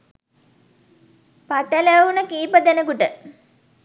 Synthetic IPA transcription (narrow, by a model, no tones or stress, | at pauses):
paʈələunəkiːpəd̪enəkuʈə